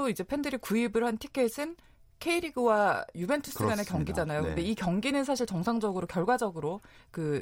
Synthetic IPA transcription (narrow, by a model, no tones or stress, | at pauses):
oid͡ʑe̞pʰendɯɾikuibɯɭhantʰikʰe̞sʰɯn | kʰeiɾiɡɯwajube̞ntʰɯs͈ɯɡanekjʌŋɡid͡ʑanajokɯnde̞ikjʌŋɡinɯns̬ʰaɕ̬ʰiɭt͡ɕʌŋsʰaŋd͡ʑʌɡɯɾokjʌɭɡwad͡ʑʌɡɯɾokɯ